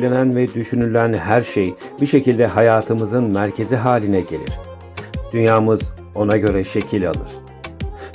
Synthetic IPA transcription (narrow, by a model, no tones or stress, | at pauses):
lʲenænvɛd̪yʃynylʲænɦæɾʃejbiʃe̞cʰilʲd̪ɛɦajaːt̪ʰɯmɯzɯnmæɾcʰe̞ziɦaːlʲinɛɟe̞̰lʲḭɾ̥ | d̪̥ynjaːmɯz | o̞naɟø̞ɾɛʃe̞cʰilʲa̰lˠɯɾ̥